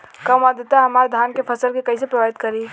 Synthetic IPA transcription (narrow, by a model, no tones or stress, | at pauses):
kəmad̪et̪aɦəmaɾd̪ʱankepʰəsəlkekəisepɾəbabit̪kəɾi